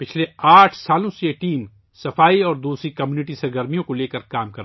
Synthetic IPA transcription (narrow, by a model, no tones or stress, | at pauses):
pɪt͡ʃʰleaːʈʰsaːlõsejeʈiːm | sɐfaːiɔːɾd̪uːsɾikɐmjuːnɪʈisɐɾɡəɾmijõkoleːkəɾkaːmkɐɾ